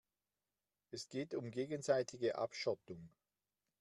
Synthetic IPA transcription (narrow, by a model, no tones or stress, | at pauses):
ʔɛsɡ̥eːtʊmɡeːɡənzaɪtʰɪɡəʔa̰pʃɔtʊŋ